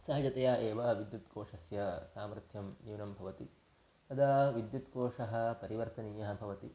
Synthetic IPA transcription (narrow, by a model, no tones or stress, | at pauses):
sɐːɐd͡ʒɐt̪ɐjaːʔeːʋɐʋid̪jut̪koːʂɐsjɐsaːmɾɐt̪ʰjɐmnjuːnɐmbʱɐʋɐt̪i | t̪ɐd̪ɐʋid̪jut̪koːʂɐɦɐ̆pɐɾiʋɐɾt̪ɐniːjɐɦɐ̆bʱɐʋɐt̪i